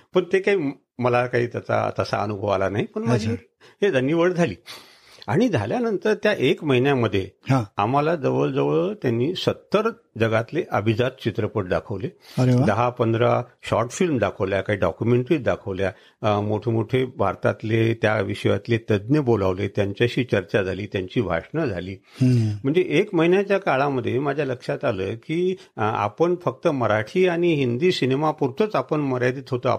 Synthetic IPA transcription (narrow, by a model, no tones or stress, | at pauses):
pəɳt̪ekaɦiː | məlakaɦiːt̪ət͡sa̰t̪əsa̰ənubʱəʋalanaɦipəɳməad͡ʑʱiː | ɦed͡zanːiːʋəɽd͡zʱaliː | aɽ̃id͡zʱaljanənt̪əɾt̪jaʔekməɦinjaməd̪ʱːjehãamalad͡zəʋəld͡zəʋəɭət̪janːiːsət̪ːəɾ | d͡zəɡat̪leʔəbʱid͡zat̪̚t͡ɕit̪ɾəpəʈ̚d̪akʰəʋleəɾʋd̪əɦapənd̪ɾaɕɔɾʈfilmd̪akʰəʋljakaɦiːɖɔkjumeɳʈɾiːd̪akʰəʋlja | moʈʰemoʈʰebʱa̰ɾt̪a̰t̪let̪jaʋiʂəja̰t̪let̪əd̪njəbolaʋlet̪jaɲt͡ɕjaɕiːt͡ɕəɾt͡ɕad͡zʱaliːt̪jaɲt͡ɕiːbʱa̰ʂɳəd͡zʱaliːɦm̤əɳd͡zeʔekməɦinjat͡ɕjakaɭaməd̪ʱːjemad͡ʑʱjaləkʂat̪aləːkiːa̰pəɳfək̚t̪əməɾaʈʰiːaɽ̃iɦind̪iːsinemapuɾt̪ʰət͡sapəɳməɾad̪iːt̪ɦot̪əa̰